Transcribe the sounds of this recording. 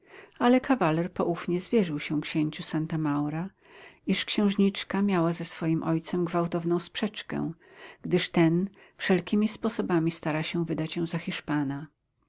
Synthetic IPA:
alɛkʰavalɛɾpɔʔufɲɛzvʲjɛʐɨwɕɛ̃kɕeɲt͡ɕusant̪amawɾa | iʂkɕɛ̃w̃ʐɲit͡ʂkamʲjawazɛsfɔjimʔɔjt̪sɛmɡvawt̪ɔvnɔ̃w̃spʂɛt͡ʂkɛ̰̃ɡ̥d̪ɘʂt̪ɛnfʂɛlkʲimʲispɔsɔbamʲist̪aɾaɕɛ̃vɘd̪at͡ɕjɛ̃w̃zaxʲiʂpana

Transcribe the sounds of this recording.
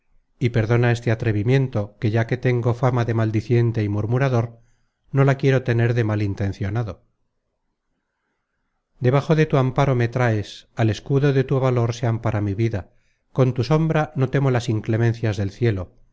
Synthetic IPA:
ipe̞ɾðo̞nae̞st̪e̞at̪ɾe̞βimje̞nt̪o̞ke̞ʝake̞t̪e̞ŋɡo̞famaðe̞mald̪iθje̞nt̪e̞imuɾmuɾaðo̞ɾ | no̞lakjeɾo̞t̪e̞ne̞ɾðe̞malint̪ẽ̞n̟θjo̞naðo̞ | d̪e̞βaχo̞ðe̞t̪uampaɾo̞me̞t̪ɾaesale̞skuðo̞ðe̞t̪uβalo̞ɾseampaɾamiβiða | ko̞nt̪uso̞mbɾano̞t̪e̞mo̞lasiŋkle̞mẽ̞n̟θjazðe̞lθje̞lo̞

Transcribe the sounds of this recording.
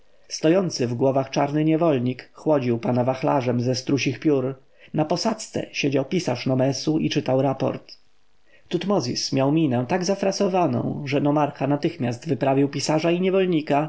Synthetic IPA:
st̪ɔjɔnt̪sɘvɡwɔvaxt͡ʂaɾnɘɲɛvɔlɲikxwɔd͡ʑiwpanavaxla̰ʐɛmzɛst̪ɾuɕixpʲjuɾ | napɔsat̪st̪sɛ̰ɕed͡ʑawpʲisaʂnɔmɛsuʔit͡ʂɘt̪awɾapɔ̰ɾt̪ | t̪ut̪mɔzʲḭsmʲjawmʲinɛ̃t̪aɡzafɾasɔvanɔ̰̃w̃ʐɛnɔmaɾxanat̪ɘxmʲjast̪vɘpɾavʲiwpʲisaʐaiɲɛvɔlɲika

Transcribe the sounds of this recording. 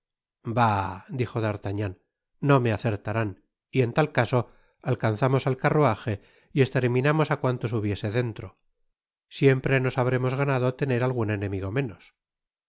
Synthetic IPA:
bad̪ixo̞ðaɾt̪aɲanː | o̞me̞aθe̞ɾt̪aɾan | ie̞nt̪alkaso̞ | alkanθamo̞salkaroaxe̞ | ie̞st̪eɾmĩnamo̞sakwant̪o̞s̬uβje̞se̞ðe̞nt̪ɾo̞ | sje̞mpɾe̞no̞saβ̞ɾe̞mo̞zɣanaðo̞t̪e̞ne̞ɾalɣune̞nẽ̞miɣo̞mẽ̞no̞s

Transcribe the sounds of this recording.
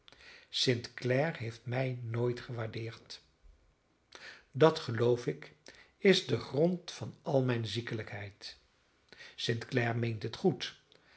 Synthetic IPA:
sɪntklɛɹɦejftmɛjnoːjtχəʋaːɹdɪːɹt | dɑtχəlowfɪk | ɪzdəχrɔntfɑnʔɑlˠmɛjnzikələkɦɛjt | sɪntklɛɹmejntətχut

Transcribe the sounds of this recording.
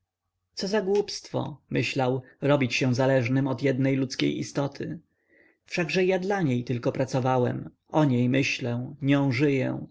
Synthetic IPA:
t̪sɔzaɡwupst̪fɔ̰mɘɕlawɾɔbʲit͡ɕɕɛ̃zalɛʐnɘmɔd̪jɛd̪nɛjlut̪skʲḛjʔḭst̪ɔt̪ʰɘ | fʂaɡʐɛjad̪laɲejt̪ɘlkɔpɾat̪sɔvawɛm | ʔɔɲejmɘɕlɛ̃ɲɔ̃w̃ʐɘjɛ̰̃

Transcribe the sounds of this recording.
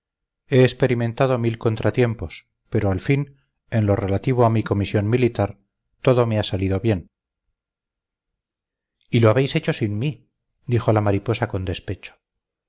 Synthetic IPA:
e̞ːspe̞ɾimẽ̞nt̪aðo̞milko̞nt̪ɾat̪je̞mpo̞s | pe̞ɾo̞alfin | e̞nlo̞re̞lat̪iβ̞oamiko̞misjo̞nmilit̪aɾ | t̪o̞ðo̞me̞asaliðo̞βje̞n | ilo̞aβejse̞t͡ʃo̞sinmi | d̪ixo̞lamaɾipo̞sako̞nd̪e̞spe̞t͡ʃo̥

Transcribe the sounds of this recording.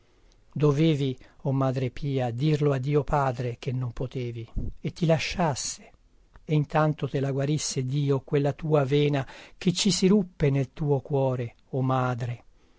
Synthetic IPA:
d̪oveːviomːaːd̪ɾepʰiːad̪irload̪ːiːopaːd̪ɾek̟enːompot̪eːviet̪ːilaʃːasːe̥ | eint̪ant̪ot̪elaɡwaɾisːed̪iːokwelːat̪uːaveːnak̟et͡ʃːisiɾupːenelt̪uːokwɔːɾe | omːaːd̪ɾe

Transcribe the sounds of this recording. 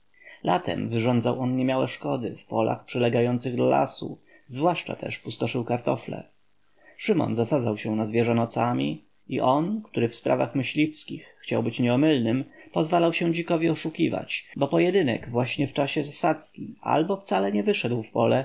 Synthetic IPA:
la̰t̪ɛ̰mvɘʐɔnd̪zawʔɔnɲɛmʲjawɛʂkɔd̪ɘ̰fpɔla̰xpʂɛlɛɡajɔnt̪sɘɣd̪ala̰sṵ | zvwaʂt͡ʂa̰t̪ɛ̰ʂpust̪ɔʂɘwkaɾt̪ɔflɛ̰ | ʂɘmɔ̰nzasad̪zawɕɛnazvʲjɛʐɛnɔt̪samʲḭ | ḭʔɔnkt̪uɾɘfspɾʔa̰vaxmɘɕlʲifskʲixːt͡ɕawbɘt͡ɕɲɛɔmɘlnɘmpɔzvalawɕɛ̃d͡ʑikɔvʲiɔʂukʲiva̰t͡ɕbɔpɔjɛd̪ɘnɛ̰ɡvwaɕɲɛft͡ʂaɕɛzasat̪skʲiʔa̰lbɔft̪salɛɲɛvɘʂɛd̪wfpɔlɛ

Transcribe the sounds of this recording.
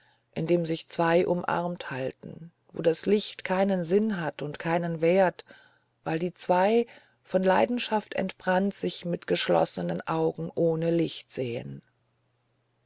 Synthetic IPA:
ʔɪndeːmzɪçt͡sv̥aɪʔʊmʔa̰ʁmthaltn̩ | vo̰ːdaslɪçtkʰaɪnənzɪnɦatʊntkʰaɪnənveːɐt | vaɪldiːt͡sv̥aɪ | fɔnlaɪdn̩ʃaftɛ̰ntb̥ʁantz̥ɪçmɪtɡ̥əʃlɔ̰sənənʔaʊɡŋ̩ʔoːnəlɪçtz̥eːə̰n

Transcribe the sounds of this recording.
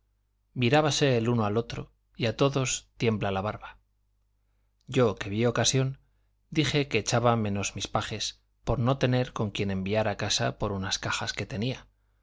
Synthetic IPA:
miɾaβase̞ːluno̞alo̞t̪ɾo̞̰ | iat̪o̞ðo̞st̪je̞mblalaβ̞aɾβa | ɟ͡ʝo̞ke̞β̞io̞kasjo̞n | d̪ixe̞ke̞ːt͡ʃaβamẽ̞no̞zmispaxe̞s | po̞ɾno̞t̪e̞ne̞ɾko̞ŋkje̞nẽ̞mbiaɾakasa̰po̞ɾunaskaxaske̞t̪e̞nia

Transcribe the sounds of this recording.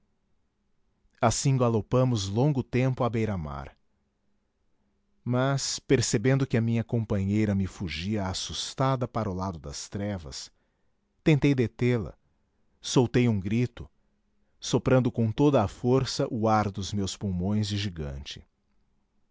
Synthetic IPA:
asĩɡalopɐ̃mʊzlõŋɡʊt̪ẽmpʊabejɾama̰ɾ | mɐspeɾsebẽnd̪ʊkɪɐmĩɲɐkõpɐ̃ɲejɾɐmɪfuʒiɐasust̪ad̪ɐpaɾʊlad̪ʊd̪ɐst̪ɾɛvɐ̰s | t̪ẽnt̪ejd̪et̪elɐ̰ | sowt̪ejũɡɾit̪ʊ | sopɾɐ̃nd̪ʊkõt̪od̪ɐːfoɾsɐʔʊaɾd̪ʊzmewspuwmõj̃zd͡ʒɪʒiɡɐ̰̃nt͡ʃɪ̥

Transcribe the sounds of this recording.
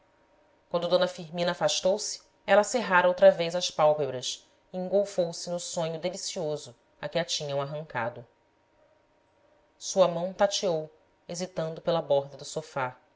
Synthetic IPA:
kwɐ̃nd̪ʊd̪onɐfiɦmĩnɐafaʃt̪owsɪ̥ | ɛlɐseɦaɾɐowt̪ɾɐvejzɐspawpebɾɐs | iĩŋɡowfowsɪnʊsõɲʊd̪elisiozʊ | akɪat͡ʃĩɲɐ̃w̃aɦɐ̃ŋka̰d̪ʊ | suɐmɐ̃w̃t̪at͡ʃiow | ezit̪ɐ̃nd̪ʊpelɐbɔɦd̪ɐd̪ʊsofa

